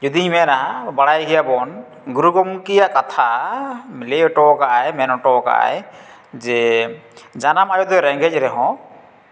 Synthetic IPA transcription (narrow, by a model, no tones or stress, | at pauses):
d͡ʒɔd̪iimɛnaɦabaɽajɡijabɔn | ɡuɾuɡɔmkijaʔkat̪ʰamileɔʈɔkaajmɛnɔʈɔka̰j | zɛ | d͡ʒanamajɔt̪ɔɾɛŋɡɛc̚ɾɛɦɔ̃